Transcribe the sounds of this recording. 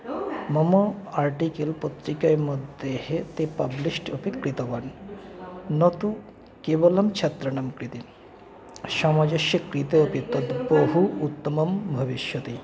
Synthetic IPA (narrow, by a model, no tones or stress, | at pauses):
mɐmɐaɾʈikelpot̪ɾikɐjmɐd̪ehet̪epɐblisʈɐpikɾit̪ɐʋɐn | nɐt̪u | keʋɐlɐmt͡ʃʰɐt̪ɾɐɳɐmkɾit̪i | ʃɐmɐd͡ʒɐʃjɐkɾit̪ɐːpit̪ɐd̪boɦuːt̪ːɐmɐmbʱɐʋiʃjɐt̪i